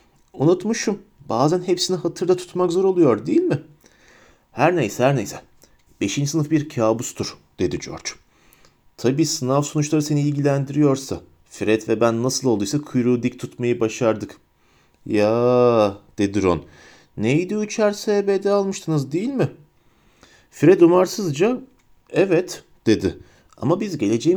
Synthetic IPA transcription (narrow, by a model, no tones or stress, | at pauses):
unut̪mɯʃumbaːzænɦe̞psiniɦat̪ʰɯɾd̪at̪ʰu̥t̪makzo̞ɾo̞lˠujo̞ɾd̪ejilʲmɪ | hæɾnejsɛhæɾnejsɛ | b̥e̞ʃind͡ʒisɯnɯfbiɾcʰaːbust̪ʰuɾ̥d̪̥e̞d̪id͡ʒo̞̰ɾd͡ʒ | t̪ʰabiːsɯnafsonut͡ʃlˠaɾɯse̞niːlʲɟilʲænd̪iɾijo̞ɾsa | fɾɛt̪vɛbænːasɯlˠo̞lˠdujsakʰujɾuːd̪ict̪ʰut̪majɯbaʃaɾd̪ɯk | jaː | d̪̥e̞d̪iɾo̰n | nejid̪iyt͡ʃʰæɾsɛbed̪ɛalˠmɯʃt̪ʰɯnɯzd̪ejilʲmɪ | fɾɛt̪umaɾsɯzd͡ʒa | ɛvɛt̪ | d̪̥e̞d̪ɪ | a̰mabizɟe̞lʲe̞d͡ʒej